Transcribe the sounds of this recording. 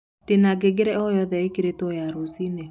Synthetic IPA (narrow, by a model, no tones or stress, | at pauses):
d̥enaɡeɡeɾɛɔjɔðɛekiɾetojaɾosine